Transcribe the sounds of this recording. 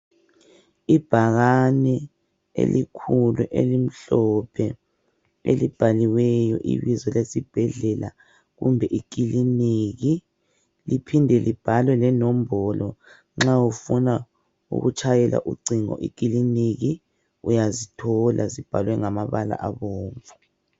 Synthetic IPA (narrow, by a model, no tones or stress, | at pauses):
ib̥ʱaɣanɛ | ḛlikʰuluʔḛlim̩ɬɔpʰɛ | ḛlib̥ʱaliwɛjɔ̰ʔḭβizɔlesib̥ʱɛɮɛla̰ | ɣumbʱɛʔik̬iliniɣi | lipʰindʱɛlib̥ʱalwɛlɛnɔm̩bɔlɔ | ŋ͡ǁaufuna | ṵɣut͡ʃʰʼajɛla̰ʔuǀiŋɔ̰ʔik̬iliniɣi | ujazitʰɔlazib̥ʱalwɛŋamaβala̰ʔaβɔːɱvu